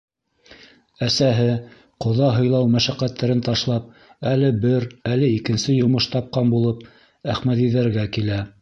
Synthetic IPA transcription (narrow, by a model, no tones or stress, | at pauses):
æsæɦɘ | qŏðɑɦɤ̆jlˠɑwmæʃæqæt̪ːæɾɘnt̪ɑʃlˠɑp̚ | ælɘbɘɾælɘikɘ̆nsɘjŏmɤʃt̪ɑp̚qɑnbulˠɤp̚ | æχmæt̪iðæɾɡækilæ